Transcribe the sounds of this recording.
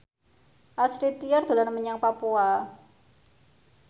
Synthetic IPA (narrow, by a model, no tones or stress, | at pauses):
ʔasɾit̪iard̪̥o̤lanəməɲaŋpapua